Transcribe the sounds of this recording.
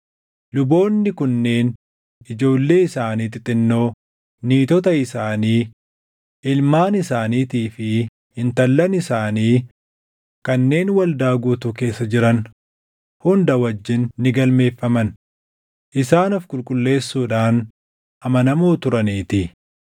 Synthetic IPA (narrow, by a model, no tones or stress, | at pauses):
lʊbo̞ːnːɪkʊnːe̞ːn | ɪd͡ʒo̞ːlːe̞ːɪsaːniːt̪ɪt̪ʼːɪnːo̞ː | niːt̪ɔt̪̬ɐɪsaːniː | ɪlmaːnɪsaːniːt̪iːfɪ | hɪnt̪ɐlːɐnɪsaːniː | kɐnːe̞ːnwɐld̪aːɡuːt̪ʊke̞ːsːɐd͡ʒɪɾɐn | hʊnd̪ɐwɐd͡ʒːɪnːɪɡɐlme̞ːfːɐmɐn | ʔɪsaːnɔfkʼʊlkʼʊlːe̞ːsːuːᶑaːn | ʔɐmɐnɐmoːt̪ʊɾɐniːt̪ɪ